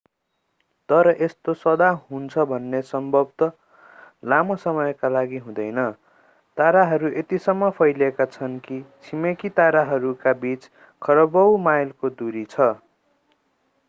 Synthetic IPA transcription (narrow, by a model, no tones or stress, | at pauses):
t̪ʌɾʌʔest̪osʌd̪aɦunt͡sʰʌbʱʌnːesʌmbʱʌbt̪ʌ | lamosʌmʌjkalaɡiɦũd̪ʌjnʌ | t̪aɾaɦʌɾuʔet̪isʌmːʌpʰʌjlekat͡sʰʌnkit͡sʰimekit̪aɾaɦʌɾukabit͡s | kʰʌɾʌbʌwmajlkod̪uɾit͡sʰʌ